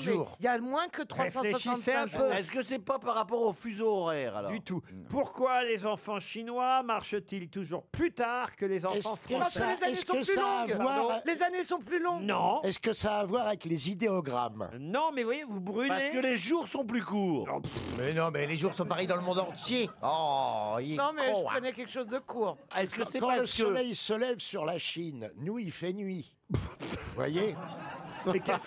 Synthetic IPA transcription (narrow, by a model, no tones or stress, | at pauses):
ʒuːʁilamwɛ̃kət̪χʁwaesfɑ̃seswaʃiɑ̃t̪sɛ̃pøɛskəsɛpapaʁːapɔʁofyzoɔʁɛːʁa̰lɔ̰d̪yt̪upuʁkwalezɑ̃fɑ̃ʃinwamaʁʃət̪ilt̪uʒuʁplyt̪aʁkəlezɑ̃ɛsfɑ̃fkəpasəlezaɛsɔ̃əlyal̃ːɡvwaʁlezanesɔ̃plylɔ̃ɡnɔ̃ɛskəsaːvwaʁavɛklezid̪eɔɡʁa̰m | nɔ̃mɛvwajevubʁyplaekəleʒuʁsɔ̃plykuːʁ̰̃mɛnɔ̃mɛleʒuʁsɔ̃paʁɛjd̪ɑ̃ləmɔ̃d̪ɑ̃t̪jeɔinɔ̃mɛʒəkɔnɛkʲɛlkʃozd̪əkuːʁɛskəɛkɑ̃ləsɔlɛjsəlɛvsyʁlaʃinːuilfɛnɥi | vwa̰je | kɛs